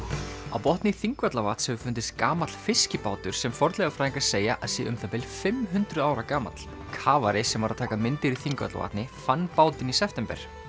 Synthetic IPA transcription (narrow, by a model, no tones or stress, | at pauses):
a̰wpɔht̪nɪθiŋkvɛt̪lavaːt̪sɛvʏfʏnt̪ɪst̪kaːmat̪l̥fɪscɪpaːwt̪ʏɾ̥sɛmfɔɾt̪lɛɣafɾaːiŋkaɾ̥seːjaʔaðsɪːʔʏmθapɛlfɪmɦʏnt̪ɾʏðaːwɾakaːma̰t̪l̥ | kʰaːvaɾɪsɛmvaɾaðt̪ʰaːkamɪnt̪ɪɾiθiŋkvɛ̰t̪la̰va̰ːt̪nɪfanːpaːwt̪ɪnisɛft̪ɛmpɛ̰ɾ̥